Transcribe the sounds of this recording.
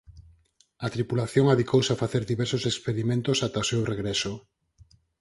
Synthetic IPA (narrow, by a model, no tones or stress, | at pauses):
at̪ɾipulaθjoŋaðikowsafaθeɾðiβɛɾsosekspeɾimẽnt̪osat̪aosewreɣɾɛso